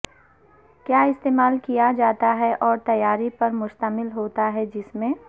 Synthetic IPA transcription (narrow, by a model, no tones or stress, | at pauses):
kjaːɪst̪eːmaːlkijad͡ʒaːt̪aɦɛʔɔːɾt̪ɐjːaːɾipɐɾmʊʃt̪əmɪlɦoːt̪aɦɛd͡ʒɪsmẽ